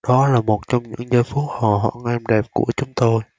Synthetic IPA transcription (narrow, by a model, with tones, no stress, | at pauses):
ɗɔ˨˦laː˨˩mo˨˩t̚t͡ɕɔ˧wŋ͡mɲɨ̰˧˥ŋzəː˧jfu˦˥t̚hɔ̰˨ɦɔ̰˧˨ŋʔɛ˧mɗɛ˨˩p̚ku˧˩ət͡ɕʊ˨˦ŋ͡mt̪o˧j